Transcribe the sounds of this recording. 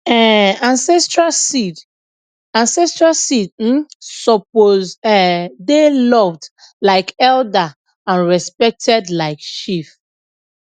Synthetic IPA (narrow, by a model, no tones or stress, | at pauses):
ɛãnsɛstɹasid | ãnsɛstɹasid̩sɔp̚ozɛdelɔvd | laɪkɛlda | ãnɹɛspɛk̚tʰɛdlaɪkʃif